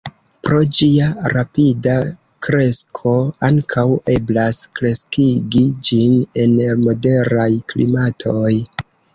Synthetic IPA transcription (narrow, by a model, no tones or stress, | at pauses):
pɾo̞d͡ʒiaɾapida | kɾe̞skʰo̞aŋkʰawe̞blaskɾe̞skiɡid͡ʒine̞nmo̞de̞ɾajklḭmatʰoj